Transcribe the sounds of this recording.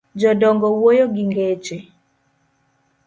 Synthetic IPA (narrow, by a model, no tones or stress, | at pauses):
d͡ʒɔdɔŋɡɔwojɔɡiŋɡet͡ʃe